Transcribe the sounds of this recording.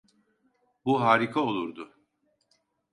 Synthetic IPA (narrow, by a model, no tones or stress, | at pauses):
buɦaːɾikʰao̞lˠuɾd̪ʊ